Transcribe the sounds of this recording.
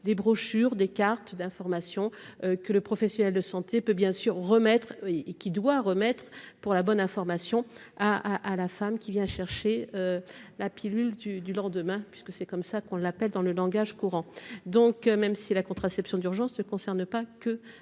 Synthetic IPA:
d̪ebʁɔʃyʁd̪ekaʁt̪d̪ɛ̃fɔʁmasjɔ̃økələpχɔfɛsjɔnɛld̪əsɑ̃t̪epøbjɛ̃syʁːəmɛt̪χeːkʲid̪waʁəmɛt̪χpuʁlabɔnɛ̃fɔʁmasjɔ̃ | aaʔːlafamkʲivjɛ̃ʃɛʁʃeølapʰilyld̪yd̪ylɑ̃d̪əmɛ̃pɥiskəsɛkɔmsakɔ̃lapɛld̪ɑ̃ləlɑ̃ɡaʒkuʁɑ̃d̪ɔ̃kmɛmsilakɔ̃t̪χasɛpsjɔ̃d̪yʁʒɑ̃snəkɔ̃sɛʁnpakə

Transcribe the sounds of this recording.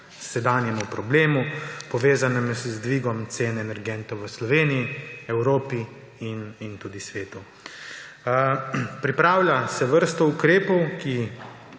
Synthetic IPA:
sɛd̪aːnjɛmupɾɔbleːmupɔʋeːzanɛmzzd̪ʋiɡɔmt̪seːnɛnɛɾɡɛnt̪ɔwʋəslɔʋeːniiɛwɾoːpi | inint̪uːd̪isʋeːt̪u | pɾipɾaːwlʲjasɛʋəɾst̪ɔukɾeːpɔwki

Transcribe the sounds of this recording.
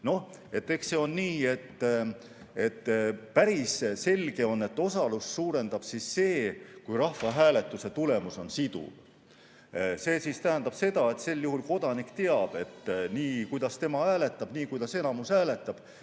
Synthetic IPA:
no̞h | e̞t̪ːe̞kse̞o̞nːiːe̞t̪ː | e̞t̪ːpæɾisse̞lʲɡ̥e̞o̞nːe̞t̪ːo̞sɑlussuːɾe̞nd̪̥ɑb̥sisːe̞ːkujrɑhvɑɦæːle̞t̪ːˑuse̞t̪ule̞muso̞nsid̪ṵ | se̞ːsist̪æɦænd̪̥ɑb̥se̞d̪̥ɑe̞t̪se̞lːjuhulko̞d̪̥ɑnikt̪eɑb̥e̞t̪ːniːkujd̪̥ɑst̪e̞mɑæːle̞t̪ːˑɑb̥niːkujd̪̥ɑse̞nɑmusæːle̞t̪ːˑɑb̥

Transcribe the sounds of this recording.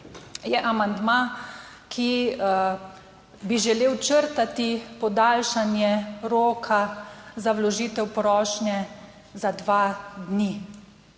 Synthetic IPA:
jɛʔamand̪ma | kʰi | biʒɛleːwt͡ʃəɾt̪at̪ipɔd̪aːlʃanjɛɾoːkʰazawlɔʒiːt̪ɛwpɾɔːʃnjɛ | zad̪ʋad̪ni

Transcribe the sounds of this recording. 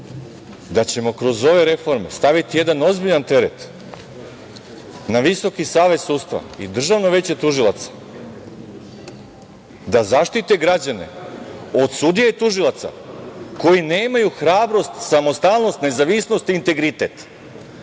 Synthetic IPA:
d̪at͡ɕe̞mo̞kɾo̞zo̞ʋe̞ɾe̞fo̞ɾme̞st̪aʋit̪ije̞d̪ano̞zbiʎant̪e̞ɾḛt̪ | naʋiso̞kisaːʋe̞zsut̪st̪ʋa̰ḭd̪r̩ʒaʋno̞ʋe̞t͡ɕet̪uʒilˠat̪sḁ | d̪azaʃt̪it̪e̞ɡɾad͡ʑane̞̰o̞d̪sud̪ijet̪uʒilˠat̪sa̰ko̞jine̞ːmajuxɾaːbɾo̞st̪samo̞st̪alˠno̞st̪ne̞zaʋisno̞st̪iːnt̪e̞ɡɾit̪e̞t̪

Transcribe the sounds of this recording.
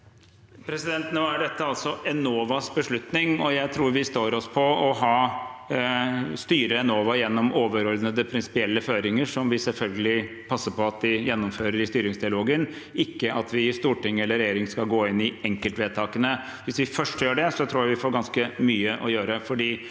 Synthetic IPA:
pʰɾɛsɪd̪ɛnt̪noːæɖɛt̪ːəɑlt̪sɔʔɛnoːʋɑsbəʂɭʉt̪nɪŋɔjæɪt̪ʰɾuːɾʋɪst̪oːɾɔspʰɔɔɦɑː | st̪yːɾəɛnoːʋɑjɛnːɔmoːʋəɾɔld̪nəd̪əpʰɾɪnsɪ̥pɪɛlːəføːɾɪŋəʂɔmʋɪsɛlfœlɡəlɪ | pʰɑsːəpʰɔɑt̪d̪ɪjɛnːɔmføːɾəɾɪst̪yːɾɪŋsd̪ɪɑloːɡən | ɪkːəɑt̪ʰʋɪst̪uːʈɪŋːɛlːəɾɛjeːɾɪŋskɑlɡoːɪnːɪɛŋkəlt̪ʋeːd̪̚t̪ʰɑːkənə | ʋɪsʋɪfœʂʈjøːɖɛsɔt̪ʰɾuːjæɪʋɪfoːɾɡɑnskəmyːəʔɔjøːɾəfɔɖiː

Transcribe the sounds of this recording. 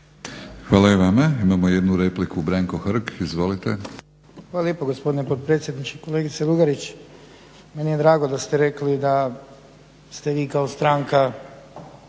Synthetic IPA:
xʋaːlaiʋamaimamojed̪nuɾeplikubɾaŋkoxɾ̩ɡizʋo̞lit̪e | xʋaːlaljeːpoɡo̞spo̞d̪inepo̞t̪̚pɾe̞t̪sje̞d̪nit͡ʃeko̞le̞ːɡit̪seluɡaɾit͡ɕ | menijed̪ɾaːɡod̪ast̪eɾe̞klid̪a | st̪e̞ʋiːkaost̪ɾaːŋka

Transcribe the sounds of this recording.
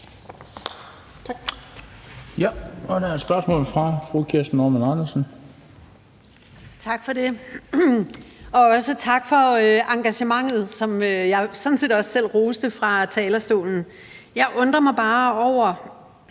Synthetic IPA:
jæɒ̽d̥æɐd̥sb̥ɶɐsmɔ̰ːlfʁɑ̈fʁukʰiɐsd̥n̩ːoːmænɑ̈nɐsn̩ | t͡sʰɑ̈ɡ̥fɒ̽de̝ | ɒ̽ɒ̽sət͡sʰɑ̈ɡ̥fɒ̽øʔɑ̈ŋɡ̥æɕəmɑ̈ŋ̰ð̞̩ˠsɒ̽møjɑ̈ɪsɒ̽n̩sḭðːdɒ̽ssel̰ʁoːsd̥əfʁɑ̈t͡sʰɛːlɐsd̥o̝̰ːln̩ | jɑ̈ɪʔɔ̽nd̥ʁɐmɑ̈ɪb̥ɑ̈ːɒʊ̰ɐ

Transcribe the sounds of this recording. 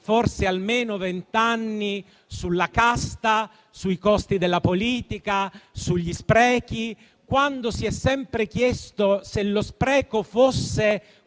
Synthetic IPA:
forsealmeːnovent̪anːi | sulːakast̪a | suikɔst̪id̪elːapoliːt̪ikasuʎːispɾɛːk̟i | kwand̪osiɛsːɛmpɾekjɛst̪oselːospɾɛːkofosːe

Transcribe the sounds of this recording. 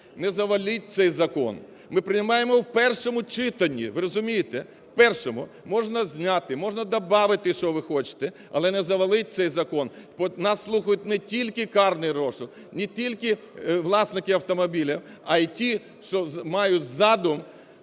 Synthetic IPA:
nɛzɐʋɐlʲit̚ʲt̪sɛjzɐkɔ̰n | mɪpɾɪnɪmɑjemɔwpɛrʃɔmʊt͡ʃɪt̪ɐnʲːḭʋɪɾɔzʊmʲijɪt̪ɛ | wpɛrʃɔmʊ | mɔʒnɐzʲnʲat̪ɪmɔʒnɐd̪ɐbɑʋɪt̪ɪʃɔʋɪxɔt͡ʃɪ̥t̪ɛ | ɐ̰lˠɛnɛzɐʋɐlˠɪt̚ʲt̪sɛjzɐkɔn | pɔnɑsːlˠuxɐjʊt̚ʲnɛtʲilʲkɪkɑrnɪjrɔʃɪw | nʲitʲilʲkɪ | ʋlˠɑsnɪkɪɐwt̪ɔmɔbʲilʲɐɐitʲi | ʃɔmɑjʊtʲzɑd̪ʊm

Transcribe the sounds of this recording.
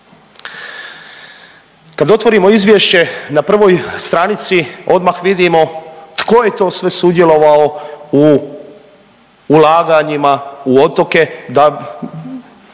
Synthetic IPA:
kad̪o̞t̪ʋo̞ɾimo̞izʋje̞ʃt͡ɕe̞napr̩ʋo̞jst̪ɾanit̪sio̞d̪maxʋid̪imo̞t̪ko̞je̞t̪o̞ːsʋe̞sud̪je̞lo̞ʋaou | laːɡaɲimauo̞t̪o̞ke̞d̪a

